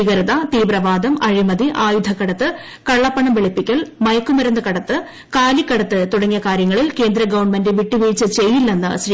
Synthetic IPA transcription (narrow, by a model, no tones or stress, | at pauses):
iɡɐɾɐðɐt̪iːbrɐʋaːd̪ɐmɐɻimɐd̪iʔaːjud̪ʱɐkɐɽɐt̪ːɨ | kɐɭːɐpːɐɳɐmʋeɭipːikʲːɐɭmɐjɐkːumɐɾɐnːɨkɐɽɐt̪ːɨ | kaːlikːɐɽɐt̪ːɨt̪uɽɐŋːijɐkaːɾjɐŋːɐɭilke̞ːnd̪ɾɐɡɐʋɐɳmendɨʋiʈːiʋiːt͡ɕːɨt͡ɕe̞jːilːenːɨ̰ɕɾi